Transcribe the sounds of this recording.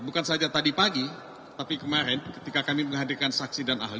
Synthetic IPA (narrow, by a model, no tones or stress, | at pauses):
bukansaɦad͡ʒat̪adipaɡi | t̪apikəmaɾɛnkə̥t̪ikakamiməŋɦadirkansaksidana̰ɦli